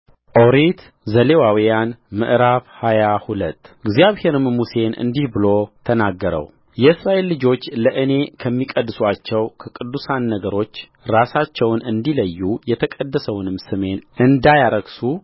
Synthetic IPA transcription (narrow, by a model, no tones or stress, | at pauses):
ʔoɾit̪ | zəle̞wawijanmɨ̰ʔɾaβhajahulət̪ːɪɡzjaβhe̞ɾɨmmuse̞nɨ̰nd̪ihbɨlo̞t̪ʰənaɡːəɾə̰w | jɛɨsɾaʔe̞lːɨd͡ʒo̞t͡ʃːləʔɨne̞kʰəmːikʼəd̪ːɨswat͡ʃːɛwkʰəkʼɨd̪ːusanːəɡəɾo̞t͡ʃː | ɾasat͡ʃːɛwnɨnd̪iləjːujɛt̪ʰəkʼəd̪ːəsəwnɨmsɨme̞nʔɨnd̪ajaɾəɡsu